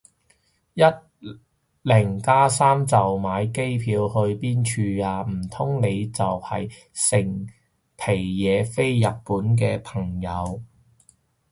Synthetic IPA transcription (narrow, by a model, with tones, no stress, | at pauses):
jɐ˥t̚ | lɪ˨˩ŋkaː˥saː˥mt͡sɐ˨wmaː˨˧jke˥jpʰiː˨˧whɵ˧ɥpiː˥nt͡ʃʰyː˧aː˧m̩˨˩t̪ʰʊ˥ŋne˨˧jt͡sɐ˨whɐ̰˨j | sɪ˨˩ŋ | pʰe˨˩jːɛː˨˧fe˥jːɐ˨t̚pːuː˨˥nk̬ɛː˧pʰɐ˨˩ŋjɐ˨˧w